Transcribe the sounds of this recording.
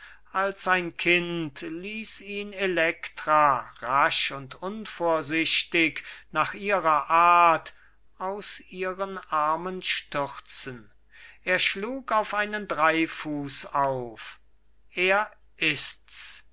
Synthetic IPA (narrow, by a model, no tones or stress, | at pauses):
ʔalsaɪnkʰɪntliːsiːnelɛktʁ̥aʁaʃʊntʊnfoːɐzɪɕtɪknaːχʔiːʁɐʔaɐt | ʔaʊsʔiːʁənʔaɐmənʃtʏʁt͡sən | ʔeːɐʃluːkaʊfʔaɪnəndʁaɪfuːsaʊf | ʔeːɐ | ʔɪsts